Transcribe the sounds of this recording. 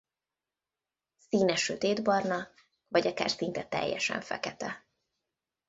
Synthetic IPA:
siːnɛʃøt̪eːd̪bɒrnɒ | vɒɟɒka̰ːrsint̪ɛt̪ɛ̰jːɛʃɛ̰ɱfɛ̰kɛt̪ɛ

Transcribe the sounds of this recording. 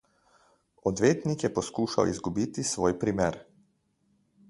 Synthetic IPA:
ɔd̪ʋeːt̪nikjɛpɔskuːʃa̰wḭzɡubiːt̪isʋoːjpɾimeːɾ

